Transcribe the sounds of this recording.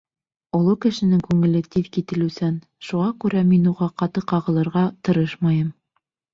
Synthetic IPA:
ŏlˠɤkɘ̆ʃɘ̆nɘŋkʉŋɘ̆lɘt̪iðkit̪ɘ̆lʉsæn | ʃuʁɑkʉɾæminuʁɑqɑt̪ɤqɑʁɤ̆lˠɤ̆ɾʁɑt̪ɤ̆ɾɤʃmɑjɤm

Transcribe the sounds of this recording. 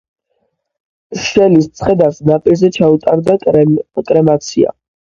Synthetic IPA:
ʃɛlist̪sʰχɛd̪asnapʼilzɛt͡ʃʰaut̪ʼaɾd̪akʼɾɛmat̪sʰia̰

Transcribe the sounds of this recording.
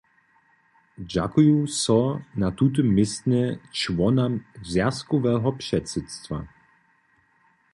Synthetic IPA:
d͡ʑa̰kujusɔnat̪ut̪̬ɪmːɪst̪nʲɛt͡ʃvɔnamzjaskɔvɛɦɔpʂɛt̪sɛt̪st̪va̰

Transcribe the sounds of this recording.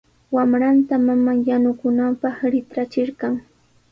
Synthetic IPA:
wamɾant̪amamaŋjanʊkʊnampɑχɾɪt̪ɾat͡ʃɪɾkɑŋ

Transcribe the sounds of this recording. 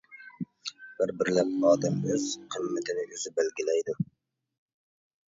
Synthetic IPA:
b̥ɪɾbɪɾlapnɒd̪ɪmɵzqʰɨmmɪt̪ʰɪnɪʔɵzɪbɪlɡʲɪlajd̪ʊ

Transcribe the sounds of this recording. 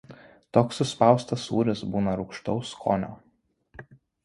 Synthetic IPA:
t̪oːksʊspɑˑʊst̪ɐsṵːɾʲɪsbuːnɐɾʊʊkʃt̪ɒʊskʰo̰ːnʲoː

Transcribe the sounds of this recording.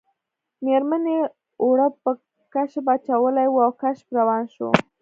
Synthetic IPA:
meɾmane | oɽəpə | kaʃbat͡ʃawəlajwuawkaʃpɾawɑnʃo̰

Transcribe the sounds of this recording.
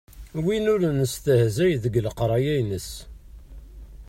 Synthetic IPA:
winʊɾnəst̪əhzæjðəɡləqɾˤɑjæjnəs

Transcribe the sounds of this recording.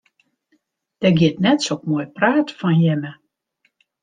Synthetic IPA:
d̥ɛɡɪətnɛtsokmoːjpraːtfɔnjɛmə

